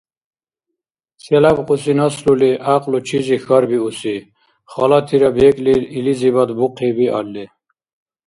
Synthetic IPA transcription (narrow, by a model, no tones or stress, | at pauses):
sɛlabqʼusinɔsluliʔaqʼlut͡ʃʰizixɔɾbiusi | χɔlɑt̪ʰiɾɔbekʼlililizibɔd̪buqʰibiʔɑ̰lːi